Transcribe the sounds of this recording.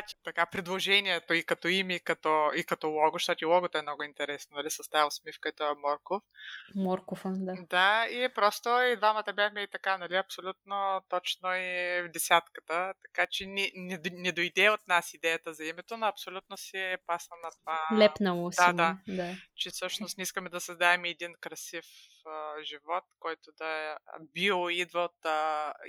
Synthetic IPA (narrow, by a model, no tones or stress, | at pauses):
t̪ʲi̥t̪ɐkapɾid̪lˠoʒɛnʲiɛt̪oikɐt̪ɔimikɐt̪ɔikɐt̪ɔlˠɔɡʊʃt̪ɔt̪ilˠɔɡot̪ɛmnɔɡʊint̪ɛɾɛsnonɐlisɐst̪ailˠsmifkɐɛt̪ɔɛmɔɾkofmɔɾkofəd̪ad̪aiɛpɾɔst̪oid̪vamɐt̪ɐbʲavmʲɛit̪ɐkanɐliɐpsolʲut̪̚not̪ɔt͡ʃnoɛvd̪ɛsʲat̪kə̥t̪ət̪ɐ̥kat͡ʃɛnɛnɛnɛd̪ojd̪ɛot̪̚nasid̪ɛjət̪əzɐimɛt̪onoɐpsolʲut̪̚nosɛpasnɐnɐt̪ovalɛpnɐlˠod̪ad̪ad̪at͡ʃɛfsɤʃnost̪nɛiskəmɛd̪ɐsɐzd̪aɛmɛd̪inkɾɐsif | əʒivɔt̪kɔjt̪od̪ɐɛbilˠid̪vəot̪ə